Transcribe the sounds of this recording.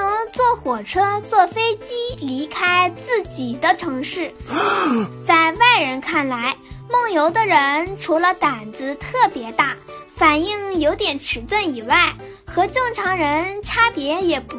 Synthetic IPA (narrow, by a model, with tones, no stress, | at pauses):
ɤ˧˥ŋt͡swɔ˥˩xwɔ˨˩ʈ͡ʂʰɤ˥t͡swɔ˥˩fe˥ɪt͡ɕi˥li˧˥kʰa˥ɪt͡sɹ̩˥˩t͡ɕi˨˩d̪ə˦ʈ͡ʂʰɤ˧˥ŋʂɻ̩˥˩ | t͡sa˥˧ɪwa˥˩ɪɻə˧˥nkʰa˥˩nla˧˥ɪmɤ˥˩ŋjo˧˥ʊd̪ə˧ɻə˧˥nʈ͡ʂʰu˧˥lə˧t̪a˨˩nd͡zɹ̩˧˥t̪ʰɤ˥˩pjɛ˧˥t̪a˥˩ | fa˨˩ni˥˩ŋjo˧˥ʊt̪jɛ˨˩nʈ͡ʂʰɻ̩˧˥t̪wə˥˩ni˨˩wa˥˩ɪ | xɤ˧˥ʈ͡ʂɤ˥˩ŋʈ͡ʂʰɑ˧˥ŋɻə˧˥nʈ͡ʂʰa˥pjɛ˧˥jɛ˨˩p